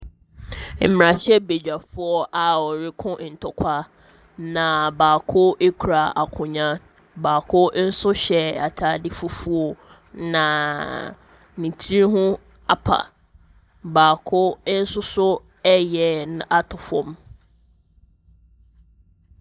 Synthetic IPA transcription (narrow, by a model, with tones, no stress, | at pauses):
m̩˨m˨ã˨ɕɛ˦be˨d͡ʑᶣa˨fʊ˦ɔ˦ʔa˨ɔ˨ɾɪ˦kʰʊ̃˦n̩˨tʰɔ˨kʷʰa˦ | nã˨baː˨kʰʊ˦ʔe˦kʰu˨ɾa˨a˨kʰʊ̃˨ɲã˦ | baː˨kʰʊ˦n̩˦sʊ˦ɕɛ˨a˨tʰaː˦dɪ˦fu˦fu˦ɔ˨ | nã˨ | nĩ˨tʰi˦ɦʊ̃˦ | a˨pʰa̰˨ | baː˨kʰʊ˦n̩˦sʊ˦sʊ˦ | ɛ˦jɛ˨nʊ˨ʔa˦tʰʊ˨fɔ̰̃˦m